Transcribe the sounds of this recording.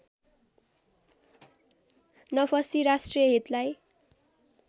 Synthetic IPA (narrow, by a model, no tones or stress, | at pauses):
nʌpʰʌsiɾasʈrijʌɦit̪laj